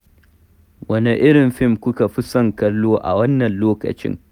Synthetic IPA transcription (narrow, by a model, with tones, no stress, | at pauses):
wɐ˦ne˨ʔɪ˦ɽɪ˨mɸɪ˦˨mkʷʊ˦ka˨ɸɪ˦sɐ˦˨ŋkɐ˦lːoː˦ʔa̰˨wɐ˦nːɐ˨nloː˦kɐ̰˨t͡ʃɪ̰˦ŋ